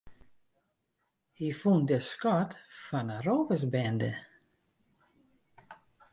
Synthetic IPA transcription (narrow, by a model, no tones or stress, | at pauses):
hifundəskɔtfɔnərovəsbɛndə̰